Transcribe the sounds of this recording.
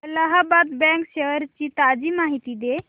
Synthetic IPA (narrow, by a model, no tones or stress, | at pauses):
ləɦabat̪bɛ̃ŋkseəɾt͡ʃit̪ad͡ʒimaɦit̪id̪e